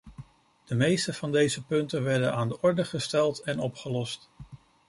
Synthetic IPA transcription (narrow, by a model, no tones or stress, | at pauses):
d̥əmejstəv̥ɑndejzəpɵntənʋɛɹdənaːndəʔɔɹdəχəstɛlˠtɛnɔpχəlɔst